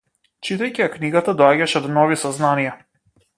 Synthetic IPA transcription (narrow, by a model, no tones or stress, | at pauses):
t͡ʃit̪ajcʲiakniɡat̪ad̪ɔaɟʲaʃɛɔd̪nɔvisaznanija